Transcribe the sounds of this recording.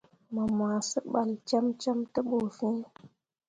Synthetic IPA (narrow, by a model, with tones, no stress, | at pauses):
mə˨m˨a˨sə˦ɓa˨lt͡ʃa˦mt͡ʃa˦mtə˦ɓo˨fĩ˦